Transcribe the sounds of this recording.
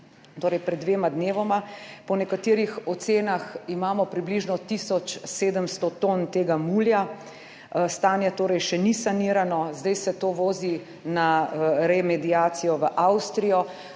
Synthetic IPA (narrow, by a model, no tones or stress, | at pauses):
t̪oːɾɛjpɾɛd̪ːʋeːmad̪neːʋɔmapɔnɛkat̪iːɾixɔt̪seːnaximaːmɔpɾibliʒnɔt̪isɔt͡ʃseːd̪əmst̪ot̪ont̪eːɡamulja | st̪aːnjɛt̪oːɾɛjʃɛnisaniɾanɔzd̪ajsɛt̪oːʋoːzi | naɾɛmɛd̪iaːt̪sijɔʋəʔawst̪ɾijɔ